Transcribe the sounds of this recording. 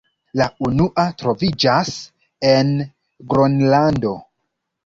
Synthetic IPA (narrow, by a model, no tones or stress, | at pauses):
launuʔatɾo̞vid͡ʒas | e̞n | ɡɾonlando̞